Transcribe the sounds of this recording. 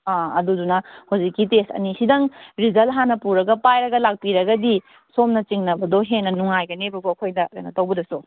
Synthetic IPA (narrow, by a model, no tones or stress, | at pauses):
aɐdudunɐhowzikːitestɐ̰nisidɐŋɾizɐlɦanɐpuɾɐɡɐpajɾɐɡɐlak̚piɾɐɡɐdi | somnɐt͡ʃiŋnɐbɐdoɦenːɐnuŋajɡɐnebɐɡuɐkʰojdɐa̰nɐtɐwbɐdɐsu